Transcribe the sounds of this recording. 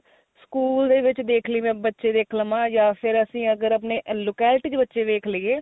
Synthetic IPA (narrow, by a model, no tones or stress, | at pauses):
skuːld̪eːʋɪt͡ʃd̪eːkʰliːmɛ̃ːbətːʃeːd̪eːkʰləmãːjaːpʰɪɾəsĩːəɡəɾəp̬neːloːkɛːlɪʈiːt͡ʃbətːʃeːʋeːkʰləiːeː